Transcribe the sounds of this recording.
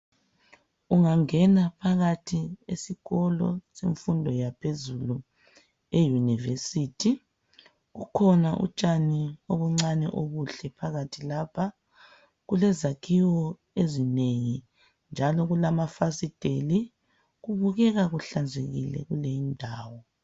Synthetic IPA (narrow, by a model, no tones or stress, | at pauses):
uŋaŋɛnapʰaɣatʰiesiɣɔlɔ̰seɱfundʱɔjapʰezulu | ejunivesitʰi | ɣukʰɔnaʔṵt͡ʃʼanioβuŋ͡ǀanɛ̰ʔoɣuɬɛpʰaɣatʰilapʰa | ɣulɛzakʰiwɔ | ezineŋi | nd͡ʒʱalɔɣulamafasid̥ʱeli | ɣuβuɣɛɣaɣuɬand͡zʱeɣilɛ̰ɣulejindʱaːwɔ